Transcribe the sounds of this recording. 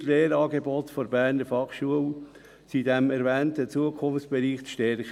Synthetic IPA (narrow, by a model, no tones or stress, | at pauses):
leːɾɑːɡebɔtfɔɾbæːɾnəɾfɑχʃuəl | sidɛmɛɾvɛːntət͡suəkʰʊmft͡sb̥eɾiːχt͡sʃtɛɾ